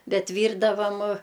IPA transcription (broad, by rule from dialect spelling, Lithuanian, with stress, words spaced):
ˈbʲɛt ˈʋʲiːrdɐʋɐm